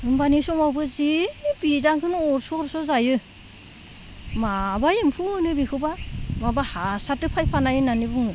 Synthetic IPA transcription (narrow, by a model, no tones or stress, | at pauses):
ɯmbanisɔŋawbɯzibizaŋkʰɯnɔɾsɔɾsɔzajɯ | mabajimpʰunɯbikʰɯbamabahasatɯpʰajpʰanajɯnanibuŋɯ